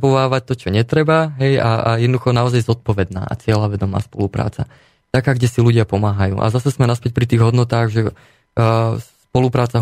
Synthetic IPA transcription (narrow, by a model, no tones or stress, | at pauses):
pɔʋaːʋac̚t̪ɔt͡ʃɔɲɛt̪ɾɛbaɦɛjaajɛd̪nɔd̪uxɔnaɔzajzɔt̪̚pɔʋɛd̪na̰ːʔa̰t͡sɪɛlaʋɛd̪ɔma̰ːspɔ̰lupɾa̰ːt͡sa̰ | t̪akaːɡɟɛsiluɟɪapɔmaːɦajṵːʔa̰zasɛsmɛnaspɛc̚pɾit̪iːɣɦɔd̪nɔt̪aːɣʒɛ | spɔlupɾaːt͡sa